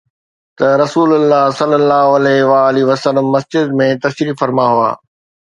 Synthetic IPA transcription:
t̪ɐɾɐsuːlʊlːaːɦsɐlːəlːaːɦoɐlɛːɦʋaːliʋɐsəlːəmːɐsd͡ʑɪd̪mẽt̪ɐʃɾiːfɐɾmaɦua̰ː

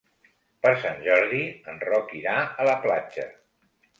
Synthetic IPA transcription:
pəɾsanʲʒɔɾðiənrɔkiɾaələplad͡ʒə̰

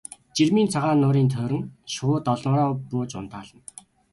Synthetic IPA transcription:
t͡ɕirmiːnt͡sʰaʁaːnːʊːɾiːnt̪ʰœːɾɘ̆ŋʃʊːt̪ɔɮn̆ːɾɔːpʊːt͡ɕʊnt̪aːɮə̆n

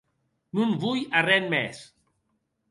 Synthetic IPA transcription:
nunβujarɛnmɛs

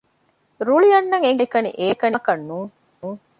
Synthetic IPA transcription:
ɾuɭijɐnːɐŋeŋɡekɐnḭʔeːkɐnkɐnːuːŋː | ŋ

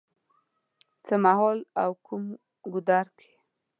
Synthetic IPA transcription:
t͡səmaɦɔlawkʰum | ɡʊd̪ɑɾkʰe̥

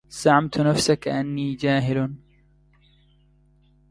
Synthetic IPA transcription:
z̥aʕamt̪nafsakaʔanːiːd͡ʒaːɦɪl

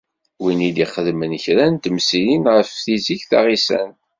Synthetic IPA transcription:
winid̪iχəðmənçɾænt̪əmsilinʁəfθiziçθa̰ʁisæ̰n

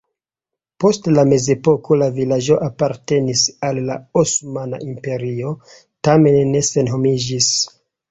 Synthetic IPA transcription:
po̞stlame̞ze̞po̞ko̞lavilad͡ʒo̞ʔapaɾte̞nisalːaosmana̰ʔimpe̞ɾio̞ | tame̞nːe̞se̞nɦomid͡ʒis

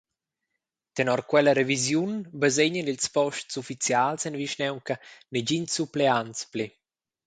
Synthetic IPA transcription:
t̪enɔɾkwɛləɾevizjunbazeɲənilspɔʃtsufit͡sjalsɛnviʃnɛwŋkəned͡ʑinsupleanspli

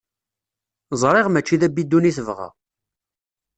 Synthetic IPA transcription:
zˤɾˤeʁmæt͡ʃːiðæbːid̪ːuniθəvʁa̰

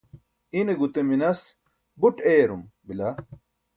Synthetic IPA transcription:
ineɡut̪eminɐs | buʈeːɾumbilɐ

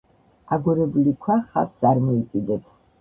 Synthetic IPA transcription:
aɡɔɾɛbulikʰwaχa̰saɾmɔit̪ʼid̪ɛps

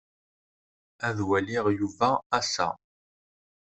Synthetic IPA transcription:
æðwælɪʁjuvæːsæ̰

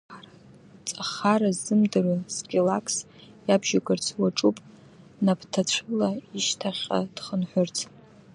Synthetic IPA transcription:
ara | t͡sʼaχaɾazɨmdɨransɡʲʼilakʰʼs | jabʒaɡʼɨrt͡sʰwaʈ͡ʂʼupʼ | napʰtʰat͡ɕʷʰɨlaiʃtʰaχʲa̰d̥χənħʷᶣʊrt͡sʰ

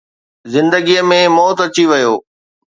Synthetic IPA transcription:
zɪ̃nd̪əɡijəmẽmɔːt̪ɐt͡ɕiʋɐjoː

